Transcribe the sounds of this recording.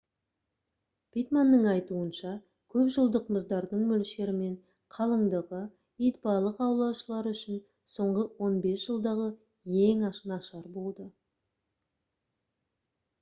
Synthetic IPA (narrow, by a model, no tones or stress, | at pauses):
pijt̪manːəɴɑjt̪uənʃɑ | kʲʰɵpʒəlˠd̪əqməzd̪ɑɾd̪əɴmɵlʃe̞ɾɪme̞ɴ | qʰɑlˠəɴd̪əʁə | ijt̪bɑlˠəqɑwlˠɑwʃəlˠɑɾʏʃɪn | so̞ɴʁəwo̞nbe̞sʒ̥əlˠd̪ɑʁə | jeŋɑʃənɑʃɑɾbo̞lˠd̪ə